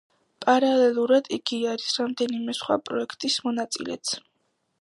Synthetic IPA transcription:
pʼaɾalɛlˠuɾad̪iɡiaɾisɾamd̪ɛnimɛsχwa̰pʼɾɔɛkʰt̪ʼismɔnat̪sʼḭlɛ̰t̪sʰ

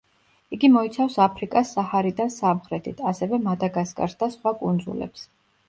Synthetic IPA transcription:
iɡimɔit̪sʰafsapʰɾikʼasːahaɾid̪ansamχɾɛt̪ʰit̪ʰasɛvɛmad̪aɡaskʼa̰ɾsd̪asχwakʼund̪zṵlɛ̰ps

